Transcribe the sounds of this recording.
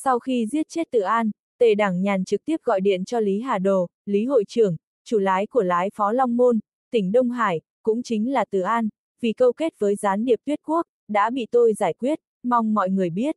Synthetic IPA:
sa˧wxi˧zi˦˥ət̚t͡ɕe˦˥t̚t̪ɨ̰˧˩ʔaː˧n | t̪e˧˨˩ɗaː˧˩ŋɲaː˨˩nt͡ɕɨ˨˩k̚t̪i˦˥əp̚ɣɔ̰˧˨jɗḭ˧˨ənt͡ɕɔ˧li˨˦ɦaː˨˩ɗo˨˩ | li˨˦ɦo̰˧˨jt͡ɕɨ˨˩əŋ | t͡ɕu˧˩laː˨˦jku˧˩əlaː˨˦jfɔ˨˦la˧wŋ͡mmo˧n | t̪ï˧˩ŋ̟ɗə˧wŋ͡mɦaː˧˩j | kʊ̰˧˥ŋ͡mt͡ɕï˨˦ŋ̟laː˨˩t̪ɨ̰˧˩ʔaː˧n | vi˨˩kə˧wke˦˥t̚vəː˨˦jzaː˨˦nɗi˨˩əpt̪wi˦˥ət̚ku˦˥ək̚ɗa̰ː˧˥ɓḭ˧˨t̪o˧jzaː˧˩jkwi˦˥ət̚ | ma˧wŋ͡mmɔ̰˧˨jŋɨ˨˩əjɓi˦˥ət̚

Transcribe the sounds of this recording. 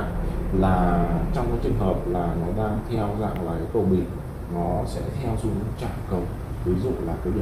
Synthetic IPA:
laː˨˩t͡ɕɔ˧wŋ͡mkaː˨˦jt͡ɕɨ˨˩ŋɦəː˨˩p̚laː˨˩nɔ˨˦ɗaː˧ŋt̪ʰɛ˧wza̰ː˧˨ŋlaː˨˩kaː˨˦kə˨˩wɓḭ˨˩˨n | nɔ˨˦sɛ̰˧˥t̪ʰɛ˧wsu˨˦˧t͡ɕa̰ː˧˨nkə˨˩w | k̪ɨ˨˦zṵ˧˨laː˨˩kaː˨˦jɗ

